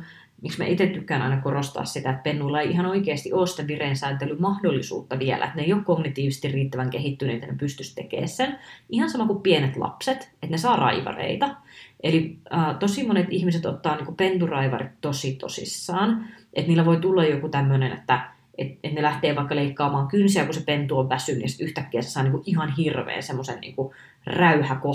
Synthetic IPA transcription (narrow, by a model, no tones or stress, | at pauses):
miksmæ̰ʔit̪et̪t̪ykːæːnɑ̰inɑkorost̪ɑ̰ːssit̪æet̪̚penːulːɑeiʔihɑnoikeːst̪iʔoːsi̥t̪eʋireːnsæːnt̪elːymmɑhdolːisṵːt̪ːɑʋiɛlæ̰et̪neijˑokkoɡnit̪iːʋise̥st̪irriːt̪ːæʋæŋkehit̪ːyneet̪æ̰nepyst̪yst̪ekḛːssenihɑnsɑmɑkuppienet̪lɑ̰pset̪et̪nesɑːrɑ̰iʋɑ̰rḛit̪ɑʔeliəːt̪osimonet̪ihmiset̪ot̪ːɑːniːŋkupent̪urɑiʋɑ̰rit̪tosit̪o̰sḭsːɑːnʔḛt̪niːlːæʋoit̪ulːɑjokut̪æmːønenḛt̪ːæ | et̪et̪nelæht̪eːʋɑikːɑleikːɑːmɑːŋkynsiækusepent̪uoʋʋæsynːyjɑsi̥t̪yht̪ækːeːsesɑːniːŋkuʔʔiɦɑnhirʋḛːnsemːosennḭːŋku | ræyhæko